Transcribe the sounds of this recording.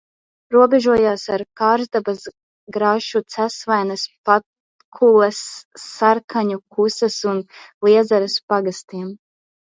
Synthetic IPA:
ɾuɔbɛʒuɔjaːsaɾkaːɾzd̪abas | ɡɾaʃut̪sæsvajnɐspat̪ | kʰulˠɛsːaɾkʰaɲukʰusasunlˠiɛd̪zaɾaspaɡast̪iɛm

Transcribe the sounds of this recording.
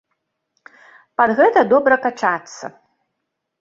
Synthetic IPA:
pad̪ɣɛt̪ɐd̪ɔbɾɐkat͡ʂat̪sːɐ̰

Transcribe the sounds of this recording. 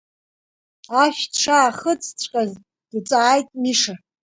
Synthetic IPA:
aʃʲᶣʈ͡ʂʰaːχət͡sʼʰt͡sʷʰʼkʼaz | d̥ut͡sʼaːjtʼmiʂa

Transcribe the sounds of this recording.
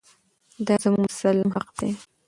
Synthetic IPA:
d̪ɑzəmuɡmʊsalːɪmɦaqd̪̥e

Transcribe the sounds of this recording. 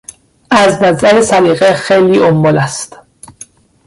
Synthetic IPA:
ʔæznæzæɾesæɾiːɣexejliːʔombɒlæst̪

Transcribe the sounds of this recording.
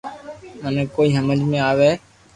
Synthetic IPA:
mənekoːiːɦəməd͡ʒmẽːaːʋeː

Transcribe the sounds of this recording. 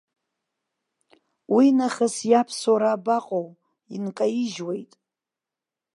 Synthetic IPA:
winaχəsjapʰsoɾaːbaqʼow | inkʼajiʒwejtʼ

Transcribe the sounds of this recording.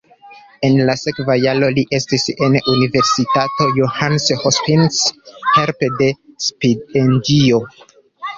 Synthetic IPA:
e̞nlase̞kvajalo̞liʔe̞stisenunive̞ɾsitato̞johanshospinsheɾpede̞spidendio

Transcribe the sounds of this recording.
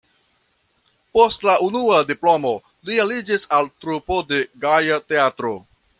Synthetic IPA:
po̞stlaʔunuadiplo̞mo̞ | lialid͡ʒisaltɾupo̞de̞ɡajate̞atɾo̞

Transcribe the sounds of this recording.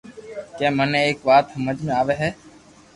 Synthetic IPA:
kẽːmənẽːeːkʋaːt̪ɦəməd͡ʒmẽːaːʋeːɦɛː

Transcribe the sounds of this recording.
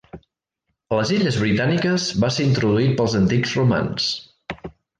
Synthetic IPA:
ləziʎəzβɾit̪anikəzβaseɾint̪ɾuðuit̪̚pəlˠzənt̪iɡzruma̰ns

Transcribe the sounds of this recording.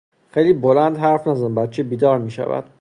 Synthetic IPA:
xejliːbolænd̪ɦæɾfnæzænbæt̪t͡ʃʰebiːd̪ɒːɾmiːʃæ̰væ̰d̪̥

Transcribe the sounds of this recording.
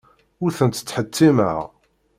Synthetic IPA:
ʊɾθənt̪ə̥t͡sːħət̪ʰːimə̰ʁ

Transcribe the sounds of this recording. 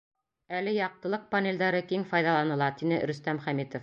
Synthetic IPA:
ælɘjɑq̚t̪ɤ̆lˠɤq̚panʲelʲd̪æɾɤkiŋfɑjðɑlˠɑnɤ̆lˠɑt̪inɘɾɵ̆st̪æmχæmit̪of

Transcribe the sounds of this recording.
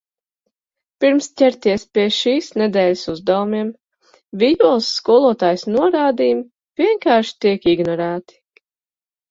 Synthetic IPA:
piɾmst̪ʲɛɾt̪iɛspʲiɛʃiːsnɛd̪ɛːlʲɪsuzd̪awumʲiɛm | vʲidulˠsːkuɔlˠuɔt̪aːjsnuɔɾaːd̪iːm | v̥ʲiɛŋkaːɾʃi̥t̪iɛkiɡnɔɾæːt̪i̥

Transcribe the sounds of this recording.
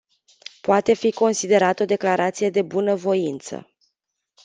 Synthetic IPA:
poat̪e̞fiko̞nsid̪e̞ɾat̪əo̞d̪e̞klaɾʔat̪sije̞d̪e̞bunəvo̞int̪sə̰

